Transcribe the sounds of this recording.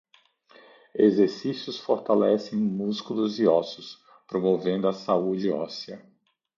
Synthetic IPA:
ezeɾsisjʊsfoɾt̪alɛsẽj̃muskulʊziɔsʊs | pɾomovẽnd̪ʊɐsaud͡ʒɪɔsiɐ

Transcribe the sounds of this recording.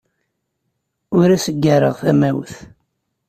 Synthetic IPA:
ʊɾæsəɡːəɾəʁθæmæwθ

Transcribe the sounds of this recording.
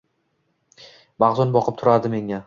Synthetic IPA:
maʁzʊnbɒqʰɨp̚t̪ʰʊɾad̪ɪme̞ŋa

